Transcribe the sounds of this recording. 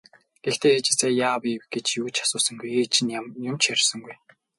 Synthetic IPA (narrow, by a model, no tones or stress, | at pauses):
ɡ̥ext̪eːet͡ɕɪ̆ɮseːjaːwiwɡet͡ɕjuːt͡ɕʰḁsʊːsə̆ŋɡujeːt͡ɕʰĭnjʊmt͡ɕæɾʲɪ̆sə̆ŋɡuj